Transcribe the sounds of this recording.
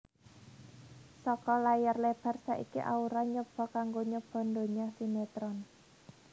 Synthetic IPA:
sɔkɔlajarleb̥a̤rsa̰ʔḭkḭʔa̰uɾaɲəb̥ɔ̤kaŋɡoɲəb̥ɔ̤nd̪o̤ɲɔsimet̪ɾɔn

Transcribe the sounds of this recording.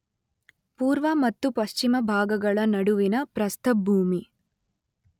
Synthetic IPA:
puːɾʋɐmɐt̪ːupɐʃt͡ʃimɐbʱaːɡɐɡɐɭɐnɐɽuʋinɐpɾɐst̪ʰɐbʱuːmi

